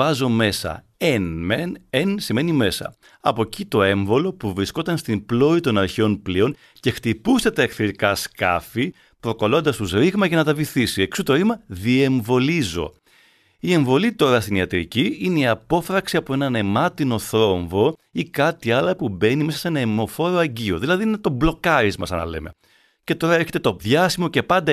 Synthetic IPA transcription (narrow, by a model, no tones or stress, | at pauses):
ɐzo̞me̞sɐ̰ | enmenensime̞nime̞sɐ̰ | ɐpo̞cit̪o̞e̞ɱvo̞lo̞puvɾisko̞t̪ɐnst̪implo̞it̪o̞nɐɾçeo̞nplio̞n | ce̞xt̪ipust̪et̪ɐekθiɾikɐskɐ̰fi | pɾo̞kɐlo̞nd̪ɐst̪uzɾiɣmɐʝɐnɐt̪ɐviθisieksut̪o̞ɾimɐðie̞ɱvo̞lizo̞̰ | ie̞ɱvo̞lit̪o̞ɾɐst̪iniɐt̪ɾḭciineiɐpo̞fɾɐksiɐpo̞e̞nɐne̞mɐt̪ino̞θɾo̞ɱvo̞ikɐt̪iɐlɐpube̞nimesɐ̥se̞nɐimo̞fo̞ɾo̞ɐɲɟio̞ðilɐðininet̪o̞blo̞kɐɾizmɐ̰sɐ̰nɐ̰le̞̰me̞̰ | ce̞t̪o̞ɾɐeɾçe̞t̪e̞t̪o̞ðʝɐsimo̞ce̞pɐnd̪ɐ